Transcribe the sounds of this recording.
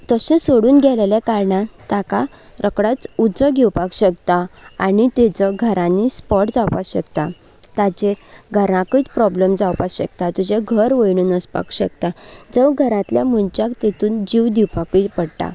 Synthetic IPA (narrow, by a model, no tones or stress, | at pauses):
t̪əɕẽsoɽuːnɡʱɛlaljɛkaɾɳat̪aka | ɾʔəkɽat͡sud͡zəɡʱɛwpakɕəkt̪aa̰nit̪ɛt͡səɡʱəɾãnːispɔʈd͡zawpaɕəkt̪a | t̪at͡ɕeɾɡʱəɾãkət͡spɾɔblemd͡zawpaɕəkt̪at̪ud͡ʑeɡʱəɾʋəjɳuːnəspa̰kɕə̰k̚t̪ad͡zəwɡʱəɾãt̪ljamunt͡ɕakt̪et̪uːnd͡ʑiwd̪iwpakəpəɽʈa̰